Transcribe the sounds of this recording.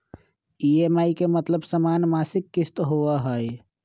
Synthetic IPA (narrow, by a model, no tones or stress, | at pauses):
iemaikemət̪ləbsəmanmasikːist̪ɦoəɦəj